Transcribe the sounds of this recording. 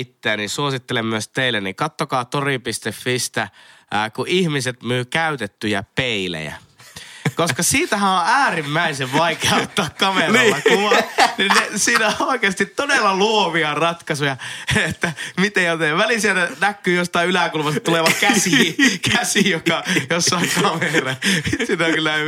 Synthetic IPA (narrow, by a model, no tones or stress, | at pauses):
t̪ːeːnisuosit̪ːelemmyøst̪eilːennikɑt̪ːokɑːt̪oripist̪efːist̪æːkuʔihmiset̪myːkæyt̪et̪ːyjæ̰peilḛjæ̰ | koskɑsiːt̪æhæ̃õæːrimːæiseʋʋɑikeɑot̪ːɑːkkɑmenːɑkuʋɑninnesiːnæoˑikeɑst̪it̪t̪odelːɑluoʋiɑrɑt̪kɑsujɑet̪ːæmit̪ejot̪eʋælisiet̪ænækːyːjost̪ɑˑiylækulmɑset̪t̪uleʋɑkkæsikʰæsijokɑjosːɑiŋkɑmerɑsinækylːæ